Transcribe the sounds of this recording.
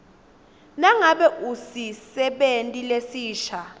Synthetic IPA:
naŋaɓɛʔusisɛɓentʼilesiːʃa

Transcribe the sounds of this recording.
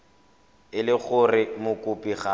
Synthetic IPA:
ɪlɪɣʊrɪmʊkʼʊpʼiχa

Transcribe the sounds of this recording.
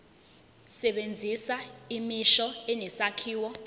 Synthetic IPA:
sɛɓend͡zʱisaimiʃɔɛnɛsakʰiːwɔ

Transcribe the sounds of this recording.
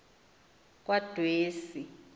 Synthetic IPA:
k̬ʼwad̥ʱweːsi

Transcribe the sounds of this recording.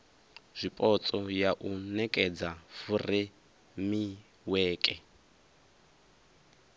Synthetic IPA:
z̥ʷipʼɔt͡sʼɔjaʔunɛkʼɛd͡zafuri | mi | wɛːkʼɛ

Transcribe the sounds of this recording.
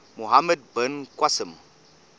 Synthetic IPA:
muɦaməd̚bənkwasəm

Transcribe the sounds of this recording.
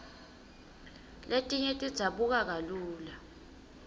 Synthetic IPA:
letʼiɲetʼid̥z̥ʱaɓuk̬ak̬aluːla

